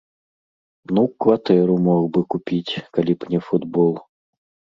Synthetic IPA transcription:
nukvɐt̪ɛɾʊmoɣbɨkʊpʲitʲkɐlʲipnʲɛfʊd̪bolˠ

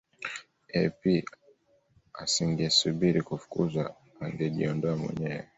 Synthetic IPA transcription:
ɛpi | a̰siŋɡɛsuɓiɾikufu̥kṵza | aŋɡɛʄiɔndɔamwɛ̰ɲɛwɛ̰

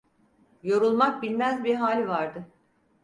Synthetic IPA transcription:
jo̞ɾulˠmak̚bilʲmæzbiɾɦaːlʲvaɾd̪ɯ

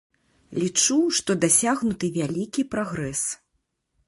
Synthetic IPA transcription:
lʲit͡ʂuʂt̪ɔd̪asʲaɣnut̪ɨvʲalʲikʲipɾaɣɾɛs

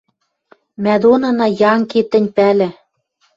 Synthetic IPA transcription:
mæd̪onɤ̆nɑjɑŋket̪ɘ̆nʲpælɘ̆

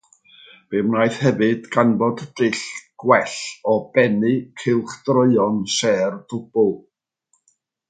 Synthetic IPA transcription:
b̥emnajθhɛvɨdɡ̥anbɔddɪɬɡ̥wɛɬɔb̥ɛnɨkʰɪlˠχd̥rəɨɔnsɛːrd̥ʊb̥ʊlˠ

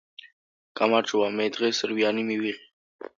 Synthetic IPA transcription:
kamaʈ͡ʂuwamed̪ʁesəɾwijɑːnimiwiʁi

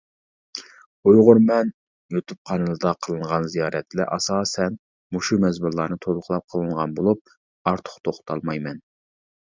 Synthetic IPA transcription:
ojʁʊɾmɛn | jot̪ʰup̚qʰɑnɨlˠɨd̪ɑqʰəlˠɨɴʁɑnzijɑːɾɛt̪lɛʔɑsɑːsɛn | muʃumɛzbuɾlˠɑːnɨt̪ʰolˠʊqlˠɑp̚qʰəlˠɨɴʁɑnbolˠup̚ | ɑɾt̪ʰʊ̥χt̪ʰoχʰt̪ʰɑlˠmɑjmɛn

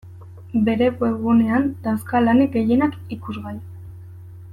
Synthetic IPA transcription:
be̞ɾe̞koe̞ɣune̞and̪askalaneɡe̞je̞nakikuzɣaj

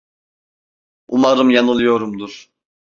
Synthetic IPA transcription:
umaɾɯmjanɯlˠɯjo̞ɾumd̪uɾ̥

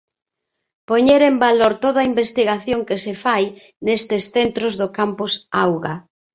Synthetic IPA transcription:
poɲeɾembaloɾt̪oðaimbest̪iɣaθjoŋkɪsefaj | nest̪ɪsθent̪ɾʊzðʊkampʊsawɣa

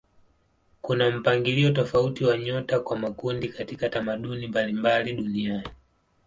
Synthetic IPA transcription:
kunam̩paŋɡiliɔtɔfautiwaɲɔtakwamakundikatikatamaɗunimbalimbaliɗuniani

